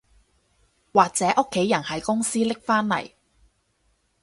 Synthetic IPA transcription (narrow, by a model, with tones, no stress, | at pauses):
waː˨k̚t͡sɛː˨˥ʔʊ˥kʰːe˨˥jɐ˨˩nhɐ˨jkʊ˥ŋsiː˥lɪ˥k̚faː˥nlɐ̰˨˩j